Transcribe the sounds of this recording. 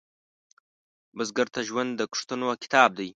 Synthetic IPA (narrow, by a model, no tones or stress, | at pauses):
bəzɡəɾt̪aʒwand̪ːəku̥ʂt̪ənoakɪ̥t̪ɑːb̚d̪aj